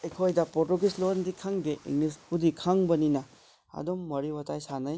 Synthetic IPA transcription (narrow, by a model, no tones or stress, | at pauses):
ekʰojdɐpɔɾtuɡislondikʰaŋbeʔḭŋlispʰudikʰaŋbɐninɐ | ɐ̰domːɐɾiwɐtajsanaj